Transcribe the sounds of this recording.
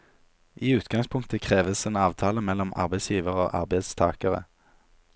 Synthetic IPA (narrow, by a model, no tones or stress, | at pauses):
ʔiːʉːt̪ɡɑŋspʰʊŋk̚t̪əkʰʁeːʋəseːnɑːʋt̪ʰɑːləmɛlɔmʔɑ̰ʁbəɪsjiːʋəʁəo̰ːʔɑ̰ʁbəɪd̪st̪ʰɑ̰ːkəʁə̰